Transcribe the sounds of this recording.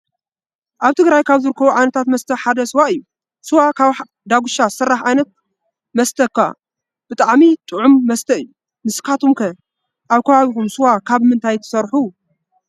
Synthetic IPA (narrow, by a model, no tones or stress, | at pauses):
ʔaβt̪ʰɨɡɾajkʰaβzɨɾɨkʰːɐβuʕajnɐt̪ʰat̪mɐst̪ʰɐħad̪ɐsɨwaɨjːu | sɨwakʰaβ | d̪aɡuʃasɨrːaħʕajnɐt̪̚ | mɐst̪ʰɐkːa̰ | b̥ɨt̪ʼaʕmit̪ʼɨʕumːɐst̪ʰɐɨjːu | mɨskʰat̪ʰumkʰɐ | ʔaβkʰɐβaβikumsɨwakʰaβmɨnt̪ʰajt̪ʰɐ̥sɐɾħu